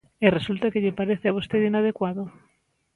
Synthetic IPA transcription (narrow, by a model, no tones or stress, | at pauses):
eresult̪akeʎepaɾeθeaβ̞ust̪eðinað̞ekwaðo